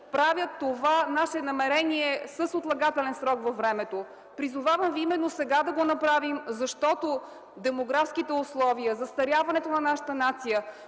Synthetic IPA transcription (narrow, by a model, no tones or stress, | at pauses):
pɾavʲjət̪ːovanaʃɛnɐmɛɾɛniɛsəsot̪lˠɐɡat̪ɛlɛnsɾɔkvɐvɾɛmɛt̪o | pɾizʊvavəmviimɛnːosɛɡad̪ɐɡonɐpɾavimzɐʃt̪ɔt̪o | d̪ɛmoɡɾafskit̪ɛʊslˠɔviəzɐst̪ɐɾʲjavɐnɛt̪onɐnaʃə̥t̪ənat̪sijə